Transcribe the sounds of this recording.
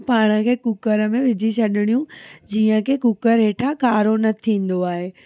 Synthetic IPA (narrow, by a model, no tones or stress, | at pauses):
paːɽ̃əkʰeːkʊkəɾə̆mẽʋɪd͡ʑʱit͡ɕʰɐɗɪɽ̃ijũd͡ʑiːə̃kʰekʊkəɾɦeːʈʰakaːɾonɐt̪ʰĩːn̆d̪oaːɦeː